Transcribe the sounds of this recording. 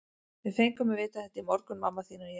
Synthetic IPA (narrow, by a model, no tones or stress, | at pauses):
vɪðfejŋkʏmɪvɪːt̪aθɛht̪ːɪmɔɾkʏnmamːaθviːnʏɾj